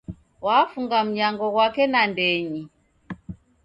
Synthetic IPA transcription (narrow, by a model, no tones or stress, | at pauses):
waːfuŋɡam̩ɲaŋɡɔɣwakɛnandɛɲi